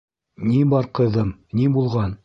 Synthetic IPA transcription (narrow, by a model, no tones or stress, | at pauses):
nibɑɾqɤ̆ðɤmnibulˠʁɑn